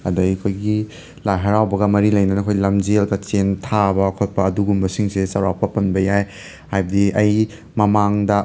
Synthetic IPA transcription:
ɐ̰dɐjkʰojɡi | lajɦɐɾawbɐɡɐmɐɾilɐjnɐnɐkʰojlɐmd͡ʒelkɐt͡ʃentʰabɐkʰot̚pɐːduɡumbɐsiŋsesɐwɾawpɐpɐnbɐjaj | hajbɐdiʔɐj | mɐmaŋdɐ

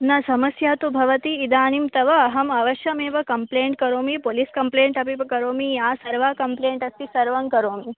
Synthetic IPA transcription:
nɐsɐmɐsjaːt̪ubʱɐʋɐt̪iːd̪aːnimt̪ɐʋɐːɦɐmɐʋɐʃjɐmeːʋɐkɐmpleːɳʈ̚kɐɾoːmipoːliskɐmpleːɳʈɐpipɐkɐɾoːmijaːsɐɾʋaːkɐmpleːɳʈɐst̪isɐɾʋɐŋkɐɾoːmi

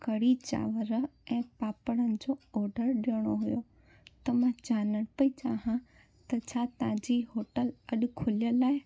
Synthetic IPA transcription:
kɐɽit͡ɕa̰ːʋəɾɛ̃ːpaːpəɽənɪ̆d͡ʑoɔːɖʱəɾɗiəɽ̃oɦʊjo | t̪ɐmãd͡ʑaːnəɽ̃pɐit͡ɕaːɦã | t̪ɐt͡ɕʰat̪ɐ̤ãd͡ʑiɦoːʈəlɐɗʊ̆kʰʊlijəlaːɪ

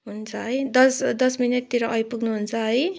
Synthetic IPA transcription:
ɦunt͡sʰʌɦʌjd̪ʌsd̪ʌsmineʈt̪iɾʌʔʌjpuɡnuɦunt͡sʰʌɦʌj

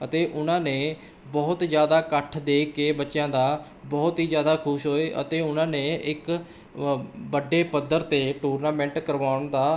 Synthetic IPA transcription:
ət̪eːʔʊnãːneː | bɔːt̪d͡ʒjaːd̪aːkəʈʰd̪eːkːeːbətːʃjãːd̪aː | bɔːt̪ɦiːd͡ʒjaːd̪aːkʰʊʃɦoːeːʔə̰t̪eːʊnãːneːʔɪk | bəɖːeːpəd̪əɾt̪eːʈuːɾnaːmɛ̃ːɳʈkəɾʋaːʊɳd̪aː

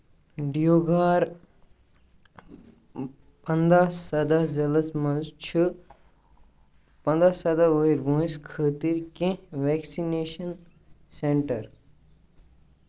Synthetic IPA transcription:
ɖijoːɡaːɾ | pɐnd̪aɐd̪azɐlɐsmɐ̃nzt͡ʃʰɨ | pɐ̃nd̪ɾaːsɐd̪aʋəiɾbũːĩskʰəːt̪iɾkẽʋɛːksineːʃɐn | seɳʈɐɾ

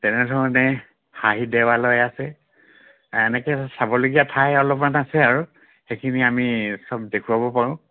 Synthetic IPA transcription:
tɛnɛdʱɔɔnɛ | haɦidɛwalɔjasɛ | ɛnɛkɛsabɔloɡijatʰajɔlɔpmanasɛaɹu | xejkʰiniamisɔb̚dekʰuwabɔpaɹʊ̃

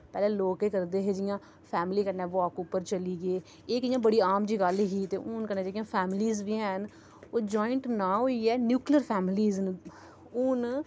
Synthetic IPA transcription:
pɛːlɛ̃ːloːkeːkəɾd̪eːɦeːd͡ʒɪjãː | pʰɛːmɪliːkənɛ̃ːʋɔːkʊpːəɾt͡ʃəliːɡəeː | eːkɪjãːbəɽiːaːmd͡ʒiːɡəlɦiːt̪eːʔʊnkənẽːd͡ʒːɪjãːpʰɛːmɪliːzʋiːɦn | oːd͡ʒɔːɪɳʈnãːɦoːiːɛːnjuːkliəɾpʰɛːmɪliːzn | ʊn

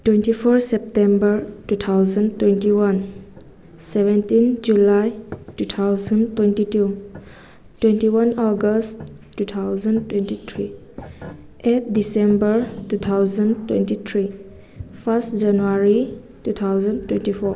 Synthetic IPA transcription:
twẽntipʰɔɾsɛp̚tɛmbəɾtut̪ʰawzəntwɛntiwan | sɛbɛntind͡ʒulajtut̪ʰawzəntwentitu | twẽntiwanɔɡəst | tːut̪ʰawzəntwentit̪ʰɾi | ʔet̚disembəɹtut̪ʰawzəntwḛntit̪ʰɾi | pʰastd͡ʒanuaɾi | tut̪ʰawzəntwentipʰɔɹ

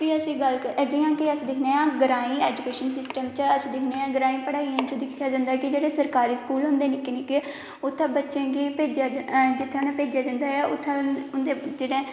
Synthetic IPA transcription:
ʋiːəsĩːɡəlkəd͡ʒɪjãːkɪəsd̪ɪkʰneːãːɡəɾaːĩːeːd͡ʒukeːʃənsɪsʈəmt͡ʃəsd̪ɪkʰneːãːɡəɾaːĩːpəɽaːiãnt͡ʃəd̪ɪkʰːjaːd͡ʒãːnd̪aːkɪd͡ʒeːɽeːsəɾkaːɾiːskuːlʊnd̪eːnɪkːenɪkːe | ʊt̪ʰːãːbətːʃẽːɡipeːd͡ʒaːd͡ʒɪt̪ʰːãːnãːpeːd͡ʒjaːd͡ʒ̪ə̃nd̪aːɛːʔʊt̪ʰːãːʊnd̪eːd͡ʒeːɽẽː

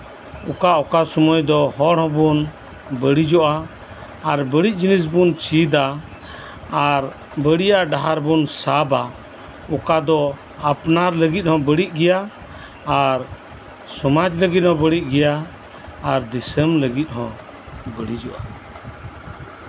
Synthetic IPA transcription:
ukaɔkasɔmɔjd̪ɔhɔɽɦɔ̃bun | bəɽid͡ʒɔʔaː | ɾbəɽic̪̚ˀd͡ʒinis̬bunt͡ʃid̪aː | ɾ | bəɽijaʔɖaɦaɾbunsaba | ukad̪ɔ | apnaɾləɡit̪̚ˀhɔ̃bəɽiʔ̚ˀɡɛjaː | ɾ | sɔmad͡ʒləɡit̪̚hɔ̃bəɽiʔ̚ˀɡɛjaː | ɾd̪isəmləɡit̪̚ˀɦɔ̃ | bəɽid͡ʒɔʔa

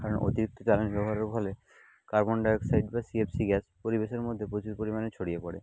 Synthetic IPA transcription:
kaɾonʔo̰t̪iɾik̚t̪ʰot͡ɕalenibɛbʱaɾeɾbʱɔle | kaɾboɳɖaeksajɖ̚basiepsiɡɛspoɾibeʃeɾmod̪ʱːepɾot͡ɕuɾpoɾimanet͡ɕʰoɽijepoɽḛ

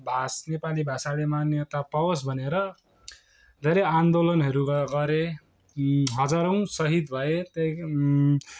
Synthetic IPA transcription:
bʱasnepalibʱasalemanjʌt̪apʌwʌsbʱʌneɾʌ | d̪ʱeɾʌjand̪olʌnɦʌɾuɡɡʌɾe | ɦʌd͡zaɾʌw̃sʌɦit̪bʱʌet̪ʌ

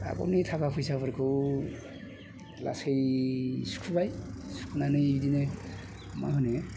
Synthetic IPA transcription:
a̰pɔ̰nitʰakapʰujsapʰɔɾkʰɯw | la̰sejsu̥kʰubajsu̥kʰunanɯjidine | ma̰ɦɔne

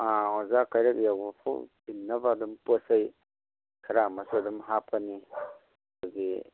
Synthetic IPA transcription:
aɔzakajɾakjawbɔpʰɔ̰binːɐbadumpɔsaj | kʰɐɾamasdumɦapʰani | ɡi

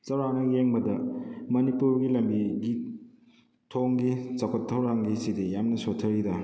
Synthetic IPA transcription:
t͡ʃɐwɾanɐjeŋbɐdɐmɐnipuɾɡilɐmbiɡi | tʰoŋɡit͡ʃɐkʰotʰːɐwɾaŋɡisidejamnɐsotʰɐɾidɐ

